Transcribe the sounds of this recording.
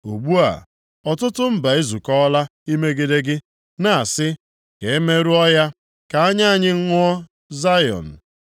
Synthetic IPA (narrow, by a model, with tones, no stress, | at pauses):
o˨ɡ͡bu˦a̰˨ | ɔ˨tʊ˦tʊ˦m̩˦ba˨e˦zu˨kɔ˦la˦i˦me˦ɡɪ˦de˦ɡɪ˦ | na˨a˨sɪ˦ | ke˨e˦me˦ɾu˦ɔ˦ja˦ | ka˨a˦ɲa˦a˨ɲɪ˦ŋ̩˦ŋʊ˦ɔ˦ | za˦jɔ̰˨n̩˨